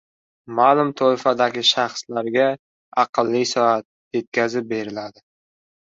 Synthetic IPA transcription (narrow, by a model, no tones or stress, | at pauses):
malʊmt̪ʰojfad̪aɡʲɪʃaχslaɾɡʲa | ɑqʰɨlˠːisɒat̪̚je̞t̪̚kʲʰazɪp̚be̞ɾɪlad̪ɪ